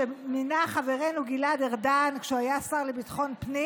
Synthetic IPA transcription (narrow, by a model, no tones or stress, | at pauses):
eminaχave̞ʁenuɡilad̪eʁdankʃeuajasaʁlebitχo̞npni